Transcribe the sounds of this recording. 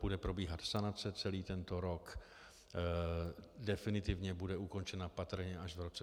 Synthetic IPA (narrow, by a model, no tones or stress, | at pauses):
budɛpɾo̞biːɦat̪sanat͡sɛt͡sɛliːt̪ɛnt̪o̞ɾo̞k | dɛfɪnɪt̪ɪvɲɛbudɛuko̞nt͡ʃɛnapat̪r̩ɲɛʔaʒvɾot͡sɛ